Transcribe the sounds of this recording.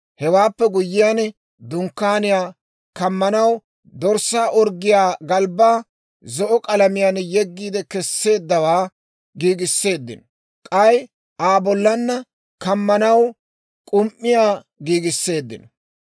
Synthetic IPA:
hɛwaːpːɛɡʊjːɪjan | d̪ʊŋkːaːnɪjaː | kɐmːɐnɐw | d̪ɔɾsːaːʔɔɾɡɪjaːɡɐlbaː | zɔʔɔkʼɐlɐmɪjanjɛɡːiːd̪ɛkɛsːe̞ːd̪ːɐwaː | ɡiːɡɪsːe̞ːd̪ːɪ̰nɔ | kʼɐj | aːbɔlːɐnːɐ | kɐmːɐnɐw | kʼʊmʔːɪjaː | ɡiːɡɪsːe̞ːd̪ːɪ̰nɔ

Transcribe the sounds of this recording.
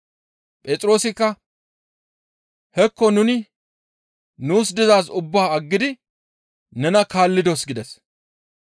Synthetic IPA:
pʼeːt͡sʼɾo̞ːsɪkːɐ | hɛkːɔnʊnɪ | nuːsd̪ɪzaːsʊbːaːɐɡːɪd̪ɪ | nɛnɐkaːlːɪd̪osɡɪd̪ɛs

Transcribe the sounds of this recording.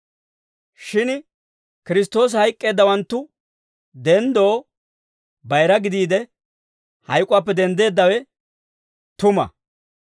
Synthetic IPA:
ʃɪn | kɪɾɪst̪ːo̞ːs̬hɐjkʼːe̞ːd̪ːɐwɐnt̪ːʊ | d̪ɛnd̪o̞ː | bɐjɾɐɡɪd̪iːd̪ɛ | hɐ̰jkʼʊaːpːɛd̪ɛnd̪e̞ːd̪ːɐwɛ | t̪ʊmɐ̰

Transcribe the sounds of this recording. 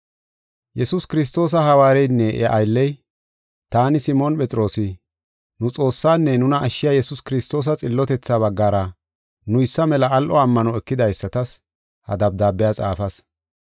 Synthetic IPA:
jɛsʊskɪɾɪs̬t̪o̞ːs̬ɐɦɐwaːɾɛjnːɛʔɛʔɐjlːɛj | t̪aːnɪsɪmɔnpɛt͡sʼɾo̞ːsɪ | nʊt͡sʼo̞ːsːaːnːɛnʊnɐʔːʃːɪjaːjɛsʊskɪɾɪst̪o̞ːs̬ɐt͡sʼɪlːɔt̪ɛt͡sːaːβɐɡːaːɾɐ | nʊjɪsːɐmɛlɐːlʔɔɐmːɐnɔɛkːɪd̪ɐjsːɐt̪ɐs | hɐ̰d̪ɐb̚d̪aːbːɛjaːt͡sʼa̰ːfɐs

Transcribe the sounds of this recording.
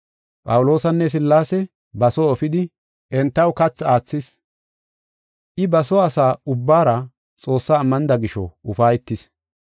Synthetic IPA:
pʼɐwʊlo̞ːsɐnːɛs̬ɪlːaːsɛ | bɐsɔːfɪd̪ɪ | ʔɛnt̪ːɐwkɐt͡sːaːt͡sːɪs | ʔɪbɐsɔɐsaːʊbːaːɾɐ | t͡sʼo̞ːsːaːmːɐnd̪ɐɡɪʃɔ̰ʊfaːjɛt̪ːɪs

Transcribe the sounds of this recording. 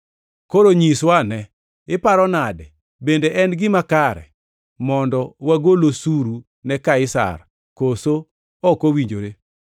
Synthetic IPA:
koɾoɲiswanɛ | ɪpaɾɔnadɛ | bendeʔɛnɡɪmakaɾɛ̰ | mɔndɔwaɡolosuɾu | nɛkaɪsa̰r | koso | ɔkowiɲd͡ʒoɾe

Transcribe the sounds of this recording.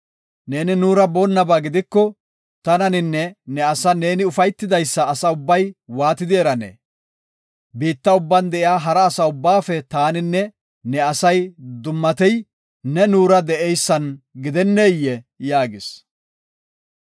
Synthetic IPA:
ne̞ːnɪnuːɾɐboːnːɐbaːɡɪd̪ɪkːɔ | t̪ɐnɐnɪnːɛnɛɐsɐne̞ːnɪʊfɐjt̪ːɪd̪ɐjsːɐːsɐʊbːɐjwaːt̪ɪd̪ɪɛɾɐnḛː | biːt̪ːɐʊbːɐnd̪ɛʔɪjaːɦɐɾɐːsɐʊbːaːfɛt̪aːnɪnːɛ | nɛɐsɐjd̪ʊmːɐt̪ɛj | nɛnuːɾɐd̪ɛʔɛjsːɐnɡɪd̪ɛnːeːjːɛjaːɡɪs

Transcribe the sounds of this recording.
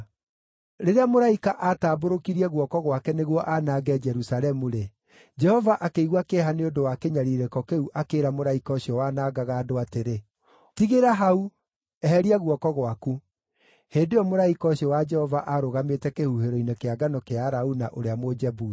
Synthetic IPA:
ɾeɾeamoɾaikaʔataːboɾokiɾiɛɣwɔkɔɣwakɛneɣwɔʔanaːɡɛd͡ʒɛɾusaɾɛmuɾe | d͡ʒɛhɔvaʔakeiɣwakeɦaneodowakeɲaɾiɾɛkɔkeuʔakeːɾamoɾaikɔɕiɔwaːnaːɡaɣaːdoateɾe | tiɣeɾaɦau | ɛɦɛɾiaɣwɔkɔɣwaku | heːndejɔmoɾaikɔɕiɔwad͡ʒɛhɔvaʔaɾoɣametɛkehuheɾɔinekeaɡanɔkeaɾaunaʔoɾeamod͡ʒɛbu

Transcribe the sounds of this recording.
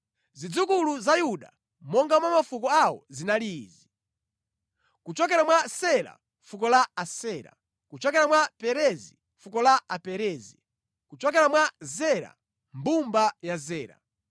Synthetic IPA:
zid͡zukuluzajuɗa̰ | mɔŋɡamwamafukɔawɔ̰zinaliːzi | kut͡ʃɔkɛɾamwasɛɾa̰ | fukɔlaasɛːɾa̰ | kut͡ʃɔkɛɾamwapɛɾɛzi | fukɔlaapɛɾɛːzi | kut͡ʃɔk̬ɛɾamwazɛɾa̰ | mbumbajazɛːɾa̰

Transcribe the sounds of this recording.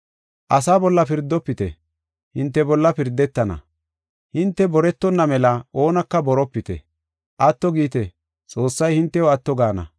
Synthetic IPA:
ʔɐsaːbɔlːɐpɪɾd̪ːɔpːɪt̪ɛ̰ | hɪnt̪ːɛbɔlːɐpɪɾd̪ːɛt̪ːɐnɐ̰ | hɪnt̪ːɛbɔɾɛt̪ːɔnːɐmɛlɐʔo̞ːnɐkːɐbɔɾɔpːɪt̪ɛ̰ | ʔɐt̪ːɔɡiːt̪ɛ | t͡sʼo̞ːsːɐjhɪnt̪ːɛwoɐt̪ːɔɡaːnɐ̰

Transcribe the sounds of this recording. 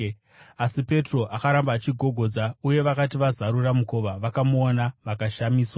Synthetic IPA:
asipe̞tro̞ʔakaɾambaːt͡ʃiɡʱo̞ɡʱo̞d͡zauje̞ʋakatiʋazaɾuramuko̞ʋaʋakamuonaʋakaʃamiːswa

